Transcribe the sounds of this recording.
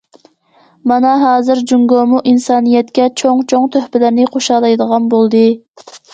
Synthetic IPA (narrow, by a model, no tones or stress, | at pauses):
mɑnɑɦɑːzɨɾd͡ʒuŋɡomuʔinsɑːnɨjɛt̪kʲɛt͡ʃʰoŋt͡ʃʰoŋt̪ʰøhpɪlɪɾnɪqʰoʃɑlˠɑjd̪əʁɑnbolˠd̪ɨ